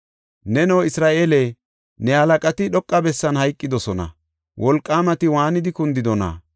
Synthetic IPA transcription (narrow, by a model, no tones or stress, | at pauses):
nɛnɔwɪsɾaːʔeːlɛ | nɛhɐlɐkʼɐt̪ɪɗɔkʼːɐbɛsːɐnhɐjkʼːɪd̪ɔsɔnɐ̰ | wʔɔlkʼːaːmɐt̪ɪwaːnɪd̪ɪkʊnd̪ɪd̪ɔnɐ̰